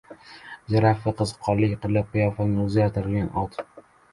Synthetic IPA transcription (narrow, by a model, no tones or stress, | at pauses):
d͡ʒaɾafɪqɨzqʰɒlˠːɪkʲqɨlɪp̚qɨjɒfanɪʊzajɒt̪ʰaɾɡʲanɒt̪